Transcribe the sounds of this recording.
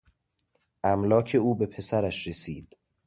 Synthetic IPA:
ʔæmlɒːcʰe̞uːbe̞pʰe̞sæɾæʃɾe̞siːd̪̥

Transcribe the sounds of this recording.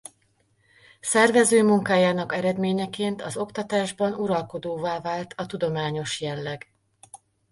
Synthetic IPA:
sɛrvɛzøːmuŋkaːjaːnɒkɛɾɛd̪meːɲɛkeːnt̪ɒzo̞kt̪ɒt̪aːʒbɒnuɾɒlko̞d̪oːvaːvaːlt̪ʰɒt̪ud̪o̞maːɲo̞ʃjɛlːɛɡ

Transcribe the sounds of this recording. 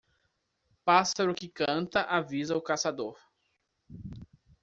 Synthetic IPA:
pasaɾʊkɪkɐ̃nt̪ɐʔavizɐʊkasad̪oɾ

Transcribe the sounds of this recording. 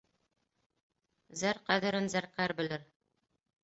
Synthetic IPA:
zæɾqæðɘ̆ɾɘ̆nzæɾqæɾbɘ̆lɘɾ

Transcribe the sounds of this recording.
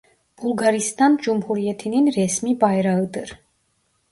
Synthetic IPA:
b̥ulˠɡaɾist̪ɑnd͡ʒumhuɾijɛt̪ʰininɾɛsmibajɾaəd̪əɾ

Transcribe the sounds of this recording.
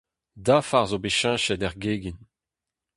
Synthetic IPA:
dafaʁzobeʃɛ̃ʃɛdɛʁɡeːɡin

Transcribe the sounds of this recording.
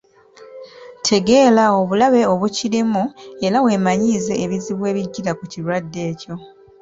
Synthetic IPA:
tʰe̞ɡe̞lao̞βulaβe̞o̞βucilimue̞lawe̞ːmaɲiːze̞ːβiziβwe̞ːβiɟːiɾakucilwadːe̞ːco̞

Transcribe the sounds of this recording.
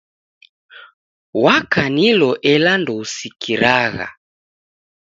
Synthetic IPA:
wakanilɔʔɛlandɔusikʰiɾaɣa̰

